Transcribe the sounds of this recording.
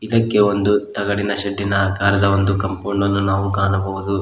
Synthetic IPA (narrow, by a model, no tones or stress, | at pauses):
id̪ɐkːeo̞nd̪ut̪ɐɡɐɽinɐʃɐɖːinɐːkaːɾɐd̪ɐond̪ukɐmpuːɳːɐlːunaːʋuɡaːnɐbɐʋud̪u